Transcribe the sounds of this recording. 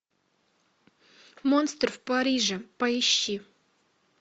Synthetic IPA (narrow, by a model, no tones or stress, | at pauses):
monst̪rfpɐɾʲiʐɨpɐɪɕːi